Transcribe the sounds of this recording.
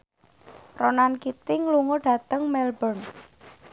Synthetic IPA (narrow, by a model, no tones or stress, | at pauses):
ronankit̪ɪŋluŋoɖ̥ä̤t̪əŋmɛlbɔn